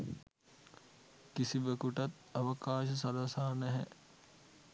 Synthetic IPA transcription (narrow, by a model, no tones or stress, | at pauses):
kisiʋəkuʈɐt̪̚ | ɐʋəkaːʃəs̬ɐlɐsaːnɛɦɛ